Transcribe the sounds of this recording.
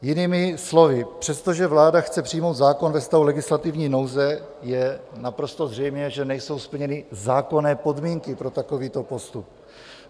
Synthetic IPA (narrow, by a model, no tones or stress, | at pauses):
jɪniːmɪslo̞vɪpr̥ɛst̪o̞ʒɛvlaːdaxt͡sɛpr̝̥ɪjmo̞wd̪zaːko̞nvɛst̪avulɛɡɪslat̪ɪvɲiːno̞wzɛ | jɛnapɾo̞st̪o̞zr̝ɛjmɲɛʒɛnɛjso̞wspl̩ɲɛnɪzaːko̞nɛːpo̞dmiːŋkɪpɾo̞t̪ako̞viːt̪o̞po̞st̪up̚